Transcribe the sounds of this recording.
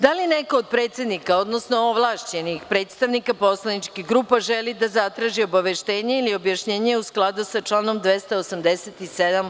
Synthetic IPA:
d̪alineko̞ːd̪̚pɾe̞ːt̪sje̞d̪nikao̞d̪no̞snooʋlˠaːʃt͡ɕenixpɾe̞ːt̪st̪aʋnikapo̞slˠanit͡ʃkixɡɾuːpaʒelid̪azat̪ɾaːʒio̞baʋe̞ʃt̪e̞ːɲeilio̞bjaʃɲe̞ːɲeusklˠad̪usat͡ʃlˠaːno̞md̪ʋe̞st̪aosamd̪eset̪ised̪am

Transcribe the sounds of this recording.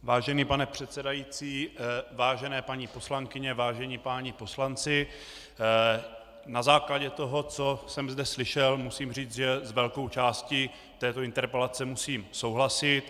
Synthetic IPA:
vaːʒɛniːpanɛpr̝̥ɛt̪sɛdajit͡siːvaːʒɛnɛːpaɲipo̞slaŋkɪɲɛvaːʒɛɲipaːɲɪpo̞slant͡sɪ | nazaːklaɟɛt̪o̞ɦo̞t͡so̞sɛmzdɛslɪʃɛlmusiːmriːt͡sʒɛzvɛlko̞wt͡ʃaːsci | t̪ɛːt̪oɪnt̪ɛɾpɛlat͡sɛmusiːmso̞wɦlasɪt̪

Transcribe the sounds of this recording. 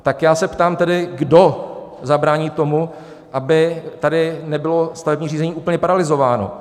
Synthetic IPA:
t̪akjaːsɛpt̪aːmt̪ɛdɪɡdo̞zabɾaːɲiːt̪o̞mu | ʔabɪt̪adɪnɛbɪlo̞st̪avɛbɲiːr̝iːzɛɲiːʔuːpl̩ɲɛpaɾalɪzo̞vaːno̞̰

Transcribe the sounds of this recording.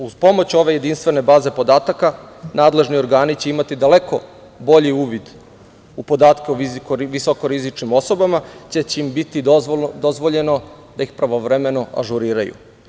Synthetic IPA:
uz̥po̞mot͡ɕo̞ʋe̞je̞d̪inst̪ʋe̞ne̞baːze̞po̞d̪aːt̪akanaːd̪le̞ʒnio̞ɾɡaːnit͡ɕe̞imat̪id̪ale̞ko̞ | bo̞ʎiuːʋid̪ | upo̞d̪aːt̪keuikoʋisokoɾizit͡ʃnimo̞so̞bamat͡ɕet͡ɕimbit̪id̪o̞zʋo̞ʎeno̞d̪ajixpɾaʋoʋɾeme̞no̞a̰ʒuɾiːɾajṵ

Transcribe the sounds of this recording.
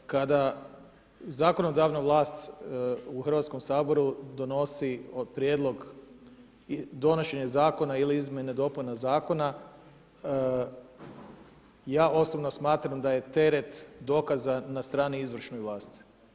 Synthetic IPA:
kad̪a | zaːko̞no̞d̪aʋnaʋlˠaːst̪ | uxrʋat̪sko̞msaːbo̞ɾud̪o̞no̞siopɾjed̪lˠo̞ɡ | d̪o̞no̞ʃe̞ɲazaːko̞nailiizmʲjened̪o̞punazaːko̞na | jaːʔo̞sobno̞smaːt̪ɾamd̪aje̞t̪e̞ɾet̪d̪o̞ːkazanast̪ɾaːniizʋr̩ʃnojʋlˠaːst̪i̥

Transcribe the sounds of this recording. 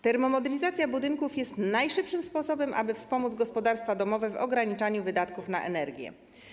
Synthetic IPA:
t̪ɛɾmɔmɔd̪ɛlʲizat̪sʲjabud̪ɘŋkufjɛst̪najʂɘpʂɘmspɔsɔbɛmʔa̰bɘfspɔmud̪zɡɔspɔd̪aɾst̪fad̪ɔmɔvɛvɔ̰ɡɾaɲit͡ʂaɲuvɘd̪at̪kufnaʔɛ̰nɛɾɡʲjɛ̰

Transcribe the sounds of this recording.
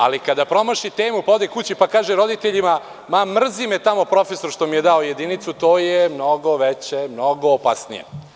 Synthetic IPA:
a̰likad̪apɾo̞maʃit̪e̞ːmupaod̪ekut͡ɕipakaːʒeɾo̞d̪it̪eʎima | mamr̩zimet̪amo̞pɾo̞feso̞ɾʃt̪o̞mijed̪aoje̞d̪init̪sut̪oːjemno̞ɡoʋet͡ɕemno̞ɡoːpasnḭjḛ

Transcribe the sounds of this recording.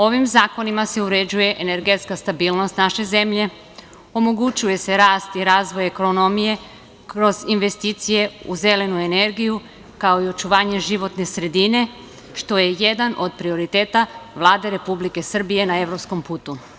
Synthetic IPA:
o̞ʋimzaːko̞nimase̞uɾe̞d͡ʑuje̞ʔene̞ɾɡe̞t̪skast̪abiːlˠnost̪naʃe̞ze̞mʎe̞ | o̞mo̞ɡut͡ʃuje̞se̞ɾaːst̪iɾaːzʋo̞jekoo̞no̞mije̞ | kɾo̞zinʋe̞st̪iːt̪sije̞ṵze̞le̞nue̞ne̞ɾɡiju | kao̞io̞t͡ʃuʋaːɲe̞ʒiʋo̞t̪ne̞sɾe̞d̪ine̞ | ʃt̪o̞je̞je̞d̪anʔo̞d̪̚pɾio̞ɾit̪e̞ːt̪aʋlˠaːd̪e̞ɾe̞publike̞sr̩bije̞nae̞ʋɾo̞psko̞mpuːt̪u

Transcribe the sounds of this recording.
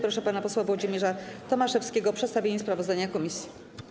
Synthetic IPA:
pɾɔʂɛpanapɔswavwɔd͡ʑimʲjɛʐat̪ɔmaʂɛfskʲeɡɔpʂɛt̪st̪avʲjeɲɛspɾavɔzd̪aɲakɔmʲisʲji

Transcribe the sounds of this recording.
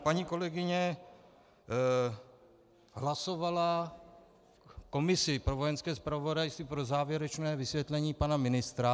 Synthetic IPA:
paɲiːko̞lɛɡɪɲɛ | ɦlaso̞vala | ko̞mɪsɪpɾovo̞jɛnskɛːspɾavo̞dajst̪viːpɾo̞zaːvjɛɾɛt͡ʃnɛːvɪsvʲjɛt̪lɛɲiːpanamɪnɪst̪ɾa

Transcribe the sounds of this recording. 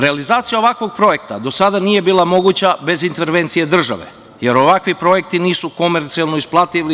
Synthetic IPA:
ɾe̞alizaːt̪sijao̞ʋakʋo̞ɡ̚pɾo̞je̞k̚t̪ad̪o̞sad̪anije̞biːlamo̞ɡut͡ɕabe̞zint̪e̞ɾʋe̞nt̪sije̞d̪r̩ʒa̰ʋe̞̰ | je̞ɾo̞ʋakʋipɾo̞je̞k̚t̪iniːsuko̞meɾt̪sialˠnoisplˠat̪iʋli

